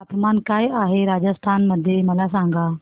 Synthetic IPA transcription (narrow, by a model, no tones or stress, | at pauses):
t̪maːnkaːiaːɦeɾaːd͡ʒəst̪ʰaːnmɐd̪ʱjemɐlas̬ãːŋɡaː